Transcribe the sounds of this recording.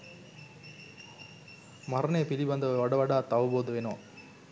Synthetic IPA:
mɐɾɐneːpilibɐnd̪ɐʋɐʋɐɽɐʋɐɽaːt̪ɐʋɐboːd̪ɐʋeːnoː

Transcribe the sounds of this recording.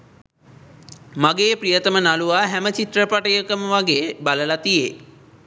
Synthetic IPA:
maɡeːprijət̪əmənaluʋaːɦæmət͡ʃit̪rəpaʈəjəkəməʋaɡeːbaləlat̪ije

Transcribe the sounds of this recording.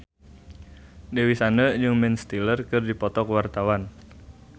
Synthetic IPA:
dewisanəd͡ʒɨŋmɛnst̪ilərkɨrdipɔt̪ɔkwart̪awan

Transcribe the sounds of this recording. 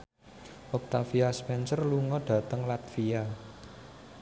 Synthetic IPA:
ʔɔk̚t̪afiaspɛnsərluŋɔɖ̥ä̤t̪əŋlat̪fia

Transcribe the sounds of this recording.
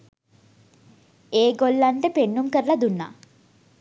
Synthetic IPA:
eːɡolːaɳʈəpenːumkəɾəlɐd̪unːa̰

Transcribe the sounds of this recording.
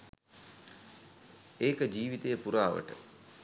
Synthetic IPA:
eːkəd͡ʒiːʋit̪ejəpuɾaːʋə̰ʈə̰

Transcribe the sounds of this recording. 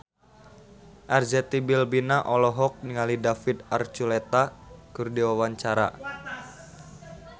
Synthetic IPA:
ʔard͡ʒɛt̪ibilbinaʔɔlɔɦɔk̚niŋalidafit̪art͡ʃulet̪akurdiwawaɲt͡ʃaɾa

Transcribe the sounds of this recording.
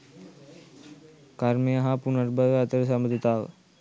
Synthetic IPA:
kaɾmejɐɦapunɐɾbəʋəɐt̪əɾəs̬ɐməd̪ʱit̪aːʋə̰

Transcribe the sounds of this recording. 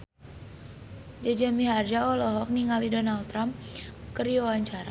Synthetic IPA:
d͡ʒad͡ʒamiɦard͡ʒaɔlɔɦɔk̚niŋalidɔnalt̪ɾamkəɾiawaɲt͡ʃaɾa̰

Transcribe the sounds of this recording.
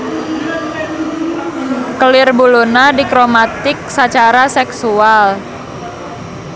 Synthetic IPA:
kəlɪrbulonadikɾomat̪ɪk̚sat͡ʃaɾasɛksual

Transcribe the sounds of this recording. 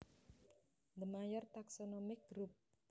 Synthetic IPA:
d̪əmajɔrt̪aksɔnɔmɪk̚ɡɾup̚

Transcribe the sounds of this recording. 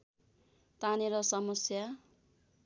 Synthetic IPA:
t̪aneɾʌsʌmʌsja

